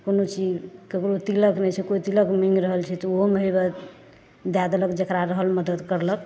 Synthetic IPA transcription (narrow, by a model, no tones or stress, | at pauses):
konot͡ʃid͡ʒkəkɾot̪iləknɛt͡ʃʰɛkoit̪iləkmiŋɡɾəɦəlt͡ʃʰɛt̪ɔoɦmɦobə | d̪jad̪ləkd͡ʒəkɾaɾəɦəlməd̪əd̪kəɾlək